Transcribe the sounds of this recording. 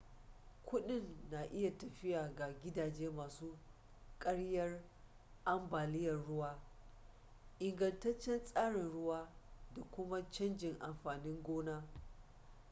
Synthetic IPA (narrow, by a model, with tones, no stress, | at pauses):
kʷʊ˦ɗɪ˦˨nːa˨ʔɪ˦ja˨tɐ˨ɸɪ˦jaː˨ɡa˨ɡʲɪ˦daː˨d͡ʒeː˦maː˨suː˦ | kʼɐ˦ɽjɐ˦r | ʔa˦mbaː˨lɪ˦jɐ˨rɽʊ˦waː˦ | ʔɪ˨ŋɡɐ˨ntɐ˦t͡ʃːɛ˦nsʼaː˦ɽɪ˨nɽʊ˦waː˦da˨kʷʊ˦ma˦t͡ʃɐ˦nd͡ʒɪ˨ŋʔa˨mɸaː˨nɪ˦ŋɡʷoː˦naː˦